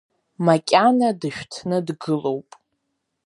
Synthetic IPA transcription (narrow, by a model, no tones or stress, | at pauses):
makʲʼanadɨʃᶣtʰnɨdɡɨlo̞wpʼ